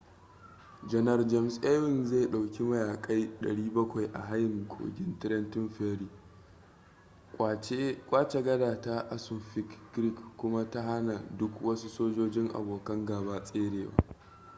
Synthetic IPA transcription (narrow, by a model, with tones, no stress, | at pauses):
d͡ʒɐ˨nɐ˨rd͡ʒɛ˦msʔe˦wɪ˦˨nza˦˨jɗa˨wkʲi˦mɐ˦jaː˨kʼa˦jɗɐ̰˨ɽiː˦bɐ˦kʷa˨jʔa̰˨ɦa˦jɪ˨ŋkʰʷʼo̰ː˨ɡʲɪ˦ntɪ˦ɾɐ˦ntɪ˦nɸeː˦ɾiː˨˦ | kʷʼaː˦t͡ʃe˨ɡɐ˦daː˨ta˦ʔa˦sʊ˨nɸɪ˦kɡɾɪ˦kːʷʊ˦ma˦ta˦ɦa˦na˨dʊ˦kwɐ˦su˦soː˦d͡ʒoː˦d͡ʒɪ˦ŋʔa̰˨boː˨kɐ˦ŋɡaː˨baː˦sʼeː˦ɽeː˨wa̰ː˦